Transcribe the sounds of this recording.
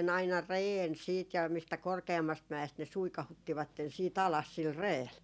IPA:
ɑinɑ reːn siːt jɑ mistæ korkeɑmːɑst mæest ne suikɑhutːiʋɑtːen siːt ɑlɑs sil reːl

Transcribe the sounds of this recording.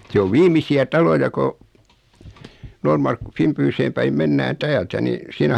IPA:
se oʋ ʋiːmˑisiæ tɑlojɑ ko noːrmɑrkːu fiˑmpyːseːm pæim menːæːn tæːltæ ni siːnæ

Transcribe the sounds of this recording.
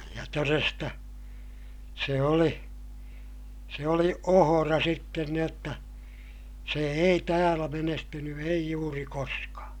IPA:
jɑ torestɑ se oli se oli ohorɑ sitːen ni otːɑ se ei tæːlæ menestyny ei juːri koskɑ

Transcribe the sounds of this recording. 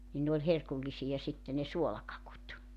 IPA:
nin ne olʲ herkulːisijɑ sitːe ne suolɑkɑkut

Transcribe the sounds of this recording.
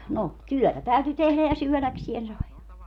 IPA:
no tyœˑtæ tæyty tehlæ jɑ syølæksien sɑi

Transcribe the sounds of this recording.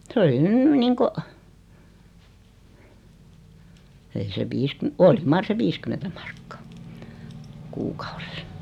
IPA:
s oli nyn niːŋko ei se ʋiːskym oli mɑr se ʋiskymentæ mɑ̥r̥kːɑ̥ː kuːkɑ̥u̥r̥e̥s̆

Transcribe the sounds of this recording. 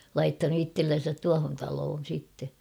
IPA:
lɑitːɑnu itːelːen̞sæt tuɑhon tɑloːn̞ sitːe

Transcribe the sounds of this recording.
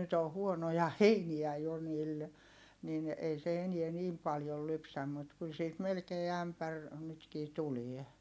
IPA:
nyt o huonojɑ heiniæ jo niːl nin ei se eniɛ niːm pɑljol lypsæm mut kyl siːt melkeː æmpær nytkiː tulie

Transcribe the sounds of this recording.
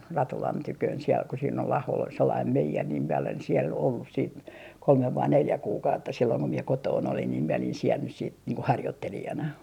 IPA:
rɑtulɑn tykøːn siel ku siːn ol ɑhol ol selːɑim meijer niːm mie olen siɛl olːus siːt kolmeʋ ʋɑi neljæ kuːkɑutːɑ silːoiŋ ko mie kotoːn olin niːm miɛ olin siel nys siːt niːŋ ko hɑrjotːelijɑnɑ

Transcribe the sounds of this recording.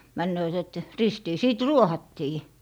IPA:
mænːøːt et ristiː siˑt ruohɑtːiː

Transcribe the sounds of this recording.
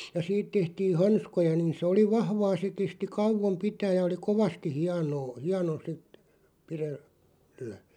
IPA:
jɑ siːt tehtiːn̞ hɑnskojɑ niːn̞ sĕ oli ʋɑhʋɑː se kesti kɑuʋom pitæːj̆ jɑ oli koʋɑsti hiɑnoː hiɑno sit pirel læ

